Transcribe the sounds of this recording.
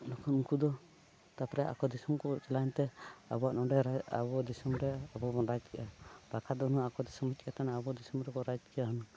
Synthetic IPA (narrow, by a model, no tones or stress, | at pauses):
nɔkʰɔnuŋkud̪ɔ | t̪apɾɛʔa̰kɔd̪isɔmkɔt͡ʃɛlajnt̪ɛa̰bɔaʔnɔɖɛɾaa̰bɔd̪isɔmɾɛabɔbɔnɾad͡ʒkɛʔabakʰad̪ɔnuakɔd̪isɔmut͡ʃ̚ˀat̪anaːbɔd̪isɔmɾɛkɔɾad͡ʒkɛaɦunɔ